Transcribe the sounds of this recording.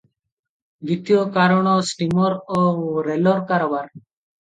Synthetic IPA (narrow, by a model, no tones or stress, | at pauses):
b̪it̪jokaɾɔɳ̃ɔsʈimɔɾɔɾelɔɾkaɾɔbaɾ